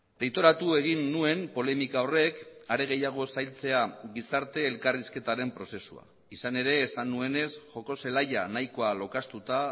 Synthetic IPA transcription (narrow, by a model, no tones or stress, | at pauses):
d̪̥e̞jt̪o̞ɾat̪ue̞ɣ̞inːue̞mpo̞le̞mikao̞re̞kaɾe̞ɣ̞e̞jaɣ̞o̞sajlt͡se̞aɣisaɾt̪e̞ːlkariske̞t̪aɾe̞mpɾo̞se̞sua̰ | isane̞ɾe̞ːsanːue̞ne̞sʝo̞ko̞se̞laʎanajko̞alo̞kast̪ut̪a